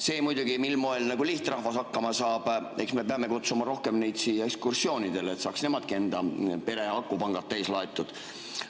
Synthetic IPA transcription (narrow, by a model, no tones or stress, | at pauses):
se̞ːmujd̪uɡ̥imilmo̞elnɑɡ̥uliht̪rɑhvɑsɑkːɑmɑsɑːb̥e̞ksme̞peɑme̞kut̪sumɑɾo̞hke̞mnejd̪sijekskursio̞ːnid̪̥e̞let̪sɑːksne̞mɑd̪̥̚kie̞nd̪̥ɑpe̞ɾe̞ɑkˑːupɑŋɡ̥ɑt̪ːejslɑet̪ːˑud̪̥